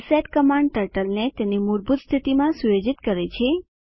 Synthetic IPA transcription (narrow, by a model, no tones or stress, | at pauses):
seʈkəmãɳɖ̚ʈəɾʈəlnet̪enimuɾbut̪st̪ʰit̪imãsujod͡ʒit̪kəɾet͡ʃʰe